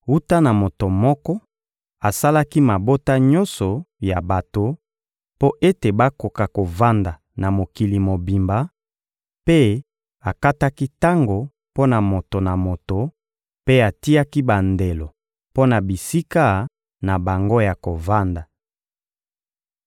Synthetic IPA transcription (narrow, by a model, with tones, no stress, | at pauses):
u˦ta˦na˨mo˨to˨mɔ˦kɔ˦ | a˨sa˦la˦ki˦ma˨bo˦ta˦ɲɔ̃˦nsɔ˨ja˨ba˨to˨ | po˦ʔe˦te˨ba˦ko˨ka˨ko˨va˦nda˨ | na˨mo˨ki˨li˨mo˨bi˨mba˨ | pe˦ | a˨ka˦ta˦ki˦ta˦ŋɡo˨ | po˦na˨mo˨to˨na˨mo˨to˨ | pe˦a˨ti˦a˦ki˦ba˨nde˨lo˨ | po˦na˨bi˨si˦ka˦ | na˨ba˨ŋɡo˦ja˨ko˨va˦nda˨